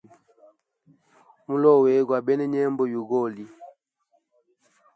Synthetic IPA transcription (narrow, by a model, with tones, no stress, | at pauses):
mu˦lɔ˦˨we˨˦ɡwa˨bɛ˦nɛ˦ɲɛ˦mbɔ˦ju˨ɡo˦˨li˨